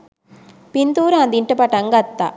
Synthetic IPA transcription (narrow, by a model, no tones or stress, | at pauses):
pint̪uːɾɐɐnd̪iɳʈːɐpɐʈːɐŋɡɐt̪ːa̰